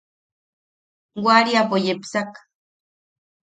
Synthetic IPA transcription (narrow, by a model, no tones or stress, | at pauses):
waɾiapojepsak